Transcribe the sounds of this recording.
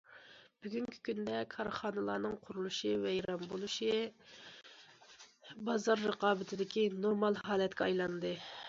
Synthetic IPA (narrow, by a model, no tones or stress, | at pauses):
b̥yɡʲyŋkʲʰi̥kʲynd̪ɛkʰɑɾχɑːnɨlˠɑːnɨŋqʰʊɾulˠuʃɨvɛjɾɑmbolˠuʃɨ | bɑzɑɾːəqɑːbɪt̪ʰɪd̪ɪkʲinoɾmɑlˠɦɑːlˠɛt̪kʲɛɑjlˠɑnd̪ɨ